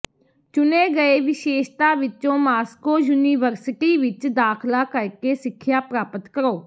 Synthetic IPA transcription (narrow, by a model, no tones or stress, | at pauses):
t͡ʃʊneːɡəeːʋɪʃeːʃt̪aːʋɪt͡ʃõːmaːskoːjuːniːʋəɾsɪʈiːʋɪt͡ʃd̪aːkʰlaːkəɾkeːsɪkʰːjaːpɾaːpət̪kəɾoː